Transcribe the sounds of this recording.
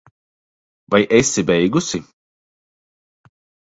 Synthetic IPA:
vajʔɛsibɛjɡusʲi

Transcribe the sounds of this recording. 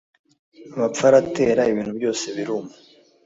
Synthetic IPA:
aβap͡faɾate̞ːɾaiβiːn̥hubjo̞ːse̞βiɾumo

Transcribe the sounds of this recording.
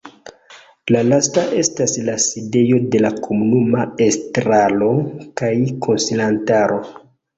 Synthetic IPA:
lalastaʔe̞staslaside̞jo̞de̞lakʰomunumaestɾalo̞kajkʰo̞nsilantaɾo̞

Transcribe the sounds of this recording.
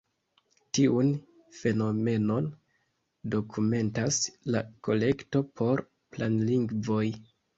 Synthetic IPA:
tiun | fe̞no̞me̞no̞n | do̞kʰume̞ntasla̰ko̞le̞kto̞pʰo̞ɾ | planliŋɡvo̞j

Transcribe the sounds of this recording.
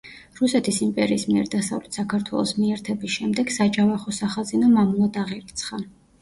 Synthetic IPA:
ɾusɛt̪ʰisimpʼɛɾiːsmiɛ̰ɾd̪asa̰vlɛt̪ʰsakʰaɾt̪ʰwɛ̰lˠɔ̰smiɛɾt̪ʰɛbisʃɛmd̪ɛɡ̥sad͡ʒavaχɔsaχazinamamulˠad̪aʁiɾit̪sʰχa

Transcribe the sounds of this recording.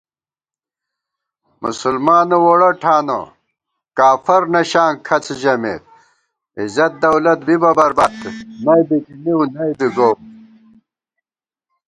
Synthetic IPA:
mṵsulmaːnɐwoɽɐʈʰaːno̰ | kaːfɐɾnɐɕaːŋkʰɐt͡sʰʑɐmḛːt̪̚ | izɐt̪̚d̪ɐwlɐt̪̚bibɐbɐɾbaːd̪̚kʰinɐjb̪ikiniwnɐjd̪iɡoː

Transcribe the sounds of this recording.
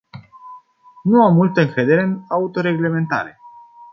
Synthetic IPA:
nuamːult̪əɨŋkɾed̪eɾenaut̪o̞ɾe̞ɡle̞me̞nt̪a̰ɾe̞

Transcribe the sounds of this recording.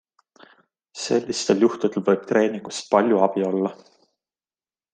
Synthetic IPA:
se̞lʲːist̪e̞ljuht̪ud̪̥e̞lvɤ̞jb̥̚t̪re̞ːniŋɡ̥ust̪̚pɑlʲjuɑbio̞lːɑ

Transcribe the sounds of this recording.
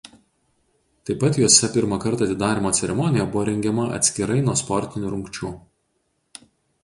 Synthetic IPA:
t̪ɐɪpːɐt̪juːsʲɛpʲɪɾmɐkɐɾt̪ɑːt̪ʲɪd̪ɑːɾʲɪmoːt̪sʲɛɾʲɛmɔnʲɪjɛbʊʋoːɾʲɛŋʲɡʲɛmɐʔɐ̰t̪ʲsʲkʲɪɾɐɪnuɔspɔɾʲt̪ʲɪnʲuːɾʊŋʲkt͡ʃʲuː

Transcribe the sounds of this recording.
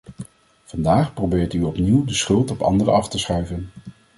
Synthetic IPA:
v̥ɑndaːχprobɪːɹtyɔpniwdəsχɵlˠtɔpɑ̰ndərə̰ɑftəsχœɥvən

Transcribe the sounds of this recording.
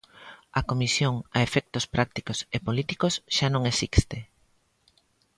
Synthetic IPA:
ɐkomisjoŋɐefɛk̚t̪ospɾʔak̚t̪ikosepolit̪ikosʃanõŋesist̪e

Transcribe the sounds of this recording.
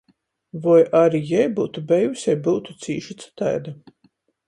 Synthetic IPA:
vɔjʔaɾijɛjbuːt̪ubɛjusjɛjbuːt̪u̥t̪siːʃit̪sɨ̥t̪a̰jd̪a

